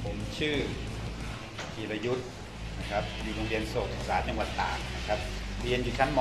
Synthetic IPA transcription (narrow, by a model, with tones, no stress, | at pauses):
pʰo˩˦mt͡ɕʰɯː˥˩ | ki˨˩la˧ju˦˥t̪̚ | na˦˥kʰa˦˥p̚juː˧˩ɾoː˧ŋbi˧ənsoː˨˩t̪̚s̚saː˩˦t͡ɕa˧ŋwa˨˩t̪ːaː˨˩ŋ̚na˦˥kʰɾa˦˥p̚ɾi˧ənjuː˨˩t͡ɕʰa˦˥nm